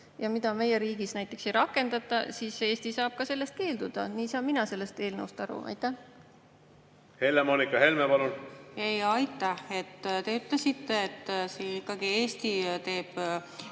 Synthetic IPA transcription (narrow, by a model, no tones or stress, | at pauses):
jɑmid̪̥ɑme̞jeɾiːɡ̥isnæjt̪ˑːe̞ksejɾɑkːˑe̞nd̪̥ɑt̪ːˑɑ̰siːsːeeːsʲt̪isɑːb̥̚kɑse̞lːe̞st̪̚ke̞ːld̪ud̪̥ɑ̰niːsɑːmːinɑse̞lːe̞st̪e̞ːlnɤust̪ɑɾṵʔɑ̰jt̪ːˑæh | he̞lːemoːnikːˑɑɦe̞lmepɑlunejɑjt̪ˑːɑhe̞t̪ːt̪e̞yt̪lesit̪ːeːt̪ːsiikːˑɑɡieːsʲt̪it̪e̞ːb̥